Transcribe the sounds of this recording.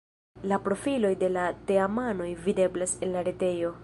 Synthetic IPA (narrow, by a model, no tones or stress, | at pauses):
lapɾo̞filo̞jde̞late̞amano̞jvide̞blase̞nlaɾete̞jo̞